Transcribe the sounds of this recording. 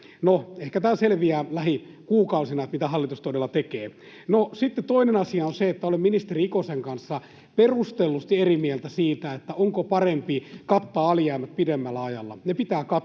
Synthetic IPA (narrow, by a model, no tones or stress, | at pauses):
noehkæt̪æːselʋiæːlæhi | kuːkɑusinɑet̪mit̪æhɑlːit̪ust̪odelːɑt̪ekeː | nosit̪ːett̪oinenɑsiɑonseet̪ːæolemminist̪eriikoseŋkɑnsːɑ | perust̪elːust̪ierimielt̪æsiːt̪æet̪ːæoŋkopɑrempikɑt̪ːɑːɑljæːmæt̪̚pidemːælːæɑjɑlːɑ̰nepit̪æːkɑ